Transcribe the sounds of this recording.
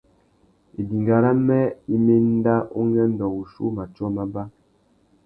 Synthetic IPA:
e˨di˨ŋɡa˨ɾa˦mɛ˦i˦me˦n˦da˦ʔo˦ŋɛ˦n̩˦dɔ˨u˨ʃṵ˦ma˨t͡ʃɔ˦ma˦ba˦

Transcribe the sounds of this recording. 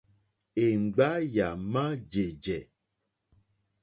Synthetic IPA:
e˨ŋ͡m̩˨ɡ͡ba˦ja˨mã˦d͡ʒe˨d͡ʒɛ˨

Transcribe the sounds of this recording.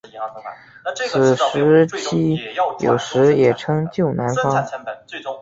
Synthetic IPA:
t͡sʰɹ̩˨˩ʂɻ̩˧˥t͡ɕʰi˥˩jo̰˨˩ʊʂɻ̩˧˥jɛ˨˩ʈ͡ʂʰɤ˥ŋt͡ɕjo˥˩ʊna˧˥nfɑ˥ŋ

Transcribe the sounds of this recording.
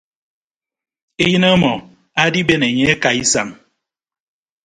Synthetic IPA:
e˦jɨ˦ne˦mɔ˨ | a˦di˦be˦ne˨ɲe˦e˦ka˨i˦sa̰˨m

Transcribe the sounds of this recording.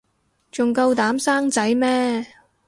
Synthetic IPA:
t͡sʊ˨ŋkɐ˧wt̪aː˨˥msaː˥ŋt͡sɐ˨˥jmɛː˥

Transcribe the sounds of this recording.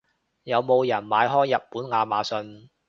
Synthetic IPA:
jɐ˨˧wmo˨˧wjɐ˨˩nmaː˨˧jɦɔː˥jːɐ˨pːuː˨˥nŋaː˨˧maː˨˧sɵ˧n

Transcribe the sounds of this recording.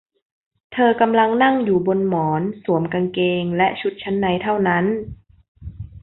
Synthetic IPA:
t̪ʰɤː˧ka˧mla˧ŋna˥˩ŋjuː˨˩bo˧nmɔː˩˦nsu˩˦əmka˧ŋkeː˧ŋlɛ˦˥ʔt͡ɕʰu˦˥t̪̚t͡ɕʰa˦˥nːa˧˦jt̪ʰa˥˩wna˦˥˨n

